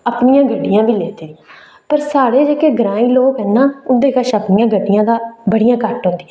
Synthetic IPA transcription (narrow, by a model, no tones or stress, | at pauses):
əpnijãːɡəɖːɪjãːʋiːleːt̪eːi | pəɾsaːɽeːd͡ʒeːkeːɡəɾãːiːloːkɦɛːnaːʊnd̪eːkəʃəpnɪjãːɡəɖːɪjãːd̪aːbəɽɪjãːkəʈɦõːnd̪iː